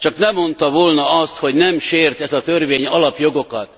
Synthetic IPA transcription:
t͡ʃɒknɛmːo̞nt̪ɒvoːlnɒɒst̪ho̞ɟnɛmʃeːrt̪ɛzɒt̪ørʋeːɲɒlɒpjo̞ɡo̞kɒt̪

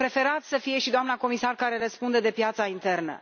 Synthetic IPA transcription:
pɾe̞fe̞ɾat̪səfije̞ʃid̪oamnako̞misarkaɾe̞rəspund̪ed̪e̞pjat̪saint̪e̞rnə̰

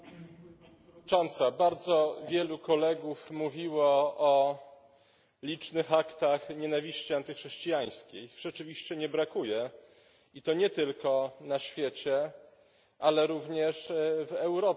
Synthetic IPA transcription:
t͡ʂɔnt̪sabaɾd̪zɔvʲjɛlukɔlɛɡufmuvʲiwɔɔ | lʲit͡ʂnɘxakt̪axɲɛnavʲiɕt͡ɕiant̪ɘxʂɛɕt͡ɕijaj̃skʲejʐ̥ɛt͡ʂɘvʲiɕt͡ɕɛɲɛbɾakujɛ | it̪ɔɲɛt̪ɘlkɔnaɕfʲjɛt͡ɕɛ | ʔalɛɾuvɲɛʂvɛwɾɔ

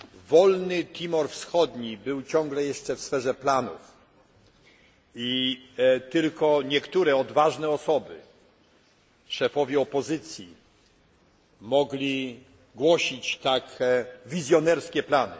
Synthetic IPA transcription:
vɔlnɘt̪ʲʰimɔɾfsxɔd̪ɲibɘwt͡ɕɔ̃ŋɡlɛjɛʂt͡ʂɛfsfɛʐɛplanṵf | i | t̪ɘlkɔɲɛkt̪uɾɛɔd̪vaʐnɛɔsɔbɘ̰ | ʂɛfɔvʲjɛɔpɔzɘt̪sʲji | mɔɡlʲi | ɡwɔɕit͡ɕt̪akvʲizʲjɔnɛɾskʲɛplanɘ̰

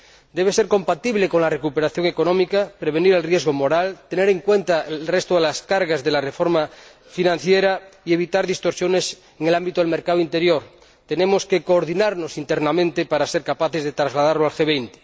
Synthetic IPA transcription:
d̪eβ̞e̞seɾko̞mpat̪iβleko̞nlarekupe̞ɾaθjo̞ŋekonõmikapɾeβ̞e̞niɾelrjezɣomo̞ɾalt̪ene̞ɾeŋkwe̞nt̪aelrest̪oðelaskaɾɣazðelarefoɾma | finãnθjeɾaie̞βit̪aɾðist̪o̞ɾsjo̞nes | eŋelambit̪oelmeɾkaðoint̪eɾjoɾ | t̪enẽmoske̞koːɾðinaɾnosint̪eɾnamẽnt̪epaɾaseɾkapaθezðet̪ɾazlaðaɾloalxeβejnt̪e̥

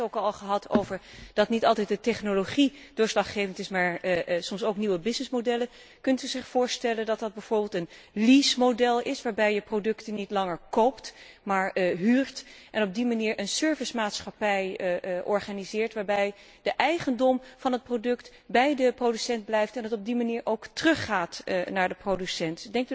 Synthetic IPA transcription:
owkɑlˠχəɦɑtʰowvəɹd̥ɑtnitɑlˠtɛjt̚dətɛχnoloχid̥ʊːɹslɑχχejvəntɪsmaːɹsɔmsowkniwəbɪsnɪsmodɛlə | kɵntyzɪχfʊːɹstɛləndɑt̚dɑd̚bɛjv̥ʊːɹbɪːlˠtənlismodɛlˠɪsʋaːɹbɛjəprowdɵktənitlɑŋəɹkowpt | maːɹɦyːɹtʔɛnɔb̚dimaniːɹʔənsøɹvɪsmaːtsχapɛjʔɔɹχaːnizɪːɹtʋaːɹbɛj | d̥əʔɛjχəndɔmv̥ɑnɦət̚prodɵkt | bɛjdəprodysɛndblɛjftɛndɑtɔb̚dimaniːɹʔowktərɵχːaːtnaːɹdəprowdysɛntdɛŋkt

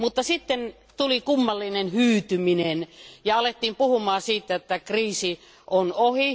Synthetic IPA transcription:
mut̪ːɑsit̪ːen | t̪ulikumːɑlːinenhyːt̪yminenjɑɑlet̪ːiːmpuhumɑːsiːt̪ːæet̪ːækriːsi | ʔonohi

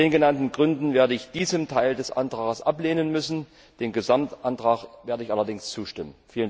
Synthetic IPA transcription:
deːnɡənantn̩ɡʁʏndn̩veːɐdəɪçd̥iːzəmtʰaɪldɛsʔa̰ntʁ̥aːɡəsʔapleːnənmʏsn̩ | d̥eːnɡəzamtʔantʁ̥aːχveːɐɾəɪçʔalɐdɪŋst͡suːʃtɪmənfiːlən

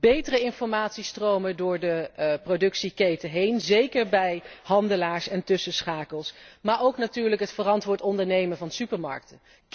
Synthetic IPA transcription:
bejtərəɪnfɔɹmaːtsistrowmədʊːɹdəprodɵksikejtəɦejnzejkəɹbɛjɦɑndəlaːɹsɛntɵsəsχaːkəlˠsmaːɹowknatyːɹləkɦətfərɑntʋʊːɹtɔndəɹnejməvɑnsypəɹmɑ̰ɹk̚tə

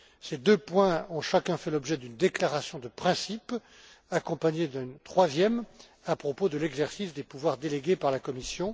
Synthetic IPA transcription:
sed̪øpwɛ̃ɔ̃ʃakʲɛ̃fɛlɔbʒɛd̪ynd̪eklaʁasjɔ̃d̪əpχɛ̃sip | akɔ̃paɲed̪ɛ̃nt̪χwazjɛm | apχɔpod̪əlɛɡzɛʁsisd̪epuvwaʁd̪eleɡʲepaʁlakɔmisjɔ̃

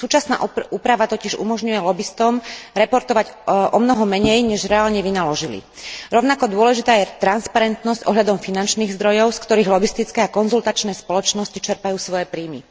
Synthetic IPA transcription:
suːt͡ʃasna̰ːʔuːpɾaʋat̪ɔcɪɛʒṵmɔʒɲujɛlɔbist̪ɔmɾɛpɔɾt̪ɔʋaɟʔɔmnɔɦɔmɛɲɛjɲɛʒɾɛaːlɲɛʋinalɔʒilḭɾɔʊnakɔd̪ʊɔlɛʒit̪aːjɛt̪ɾanspaɾɛnt̪nɔscʔɔɦʎad̪ɔmfinant͡ʃniːɣzd̪ɾɔjɔʊskt̪ɔɾiːɣlɔbist̪it͡skɛakɔnzult̪at͡ʃnɛːspɔlɔt͡ʃnɔscit͡ʃɛɾpajuːsʋɔjɛpɾiːmḭ

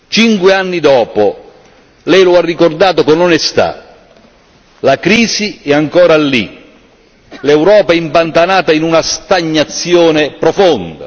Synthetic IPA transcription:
t͡ʃiŋkwɪanːid̪ɔːpʊ | lɛjlʊarːikord̪aːt̪okonɔnɛst̪a̰ | lakɾiːziɛaŋkɔːɾalːḭ | lɛwɾɔːpaɛimpant̪anaːt̪ainunast̪aɲːat̪sːjɔːnɪpɾɔfɔnd̪a̰

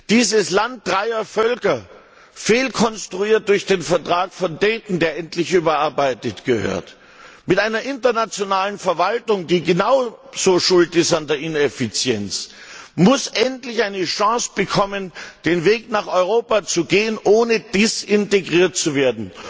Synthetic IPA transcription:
d̥iːzəslant̚d̥ʁaɪɐfœlkɐ | feːlkʰɔnstʁ̥uiːɐt̚d̥ʊɐçd̥eːnfɛɐtʁ̥aːkfɔndɛːtn̩deːɐʔɛntlɪçʔyːbɐʔaɐbaɪtətɡ̥əhø̰ːɐt | mɪtʔaɪnɐʔɪntɐnat͡sjonaːlənfɛɐvaltʊŋdiːɡənaʊz̥oːʃʊltɪstandeːɐɪnɛfɪt͡sjɛnt͡smʊsʔɛntlɪçʔaɪnəʃɑ̃ːsb̥əkʰɔmənd̥eːnveːknaːχɔʏʁ̞oːpat͡suɡeːənʔoːnəd̥ɪsɪnteɡʁiːɐt̚t͡suveːɐdn̩

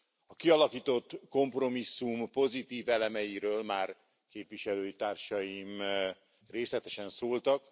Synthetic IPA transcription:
ɒkiɒlɒkiːt̪o̞t̪ːko̞mpro̞misːumpo̞zit̪iːvɛlɛmɛjiɾøːlmaːr | keːpʋiʃɛløːjit̪aːrʃɒjim | reːslɛt̪ɛʃɛnsoːlt̪ɒk

